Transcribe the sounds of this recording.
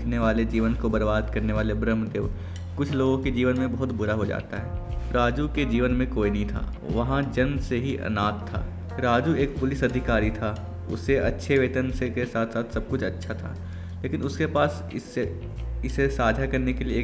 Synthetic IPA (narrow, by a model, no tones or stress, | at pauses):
kʰneʋaːled͡ʒiːʋənkobɐɾbaːd̪kɐɾneʋaːlebɾəmd̪eːʋ | kʊt͡ʃʰloːɡõked͡ʒiːʋənmẽbɐɦʊt̪bʊɾaɦod͡ʒa̰ːt̪aɦɛːɾaːd͡ʒuked͡ʒiːʋənmẽkoːinəɐɦĩt̪ʰa̰ː | ʋɐɦãd͡ʒɐnseɦiʔɐ̰naːt̪ʰːa̰ː | ɾaːd͡ʒueːk̚pʊlɪsɐd̪ʱɪkaːɾit̪ʰa | ʊ̰sːeʔɐtːʃʰeʋeːt̪ənsekesaːt̪ʰsaːt̪ʰsɐb̚kʊt͡ʃʰɐtːʃʰat̪ʰa̰ː | leːkɪnʊskepaːs | ɪsːe | ɪsesaːd͡ʒʱakɐɾnekelieː